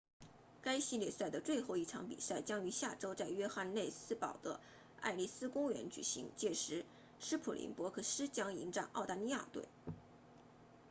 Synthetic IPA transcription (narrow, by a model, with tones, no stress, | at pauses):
ka˥ɪɕi˥ljɛ˥˧˩sa˥˩ɪd̪ə˩t͡swe˥˧ɪxo˥˧ʊi˥˩ʈ͡ʂʰɑ˧˥ŋpḭ˨˩sa˥˩ɪt͡ɕjɑ˥ŋy˧˥ɕja˥˩ʈ͡ʂo˥ʊt͡sa˥˩ɪɥɛ˥xa˥˧nne˥˩ɪsɹ̩˥pɑ˨˩ʊd̪ə˦ | a̰˥˧ɪli˥˩sɹ̩˥kʊ˥ŋɥɛ̰˧˥nt͡ɕy̰˨˩ɕḭ˧˥ŋt͡ɕjɛ˥˩ʂɻ̩˧˥ | ʂɻ̩˥pʰṵ˨˩lʔḭ˧˥ŋpwɔ˧˥kʰɤ˥˩ʂɻ̩˥t͡ɕjɑ˥ŋi˧˥ŋʈ͡ʂɑ˨˩ŋʔɑ̰˥˩ʊt̪a˥˧li˧˥ja̰˥˧t̪wḛ˥˩ɪ